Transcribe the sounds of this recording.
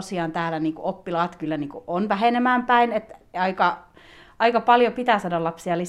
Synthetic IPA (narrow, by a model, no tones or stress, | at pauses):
siɑːnt̪æːlæniːŋkuopːilɑːt̪kylːæniːŋkuʔonʋæɦenemæːmpæinet̪ɑikɑ | ɑikɑpɑljopit̪æˑsɑdɑlɑpsiɑli